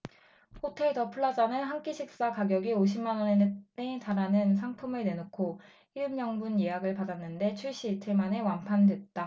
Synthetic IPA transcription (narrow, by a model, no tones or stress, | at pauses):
hotʰe̞ɭdʌpʰuɭːad͡ʑanɯnɦank͈iɕʰik̚s͈akaɡjʌɡioɕ̬ʰimːanwʌnennetaɾanɯns̬ʰaŋpʰumɯɭne̞nokʰo | iɭmjʌŋbunjeɦaɡɯɭpadanːɯnde̞t͡ɕʰuɭɕ͈iːtʰɯmane̞wanpʰandwe̞t̚t͈a